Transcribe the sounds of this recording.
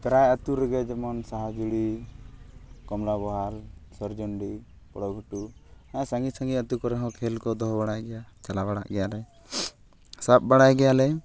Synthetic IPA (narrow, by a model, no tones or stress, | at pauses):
pɛɾajət̪uɾɛɡɛd͡ʒɛmɔnsaɦad͡ʒuɽi | kɔmlabɔɦalsɔɾd͡ʒɔɳɖi | pɔɽɔɡʱuʈuãsaŋɡisaŋɡiət̪ukɔɾɛɦɔ̃kʰɛlkɔd̪ɔɦbaɽ̃ajɡɛjat͡ʃalabaɽa̰ʔɡɛjalɛ | sap̚baɽ̃ajɡɛjalɛ